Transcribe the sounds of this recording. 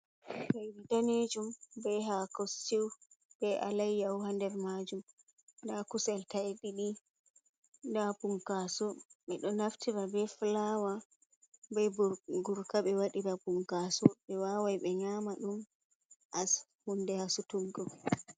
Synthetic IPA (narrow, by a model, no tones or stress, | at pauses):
bajwidaned͡ʒumbɛɦakosiw | bɛʔalajːawɦandɛɾmad͡ʒum | ndakusɛltajɗiɗi | ndapuŋkasɔɓɛɗɔnaftʰiɾabɛflawa | bɛɡuɾkaɓɛwaɗiɾapuŋkasɔɓɛwawajɓɛɲaːmaɗum | ʔas | hundɛhasutuŋɡɔ